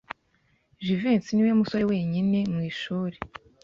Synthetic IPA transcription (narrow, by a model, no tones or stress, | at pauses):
ʒivensiniwamusoɾewe̞ːɲine̞mŋiːʃuːɾe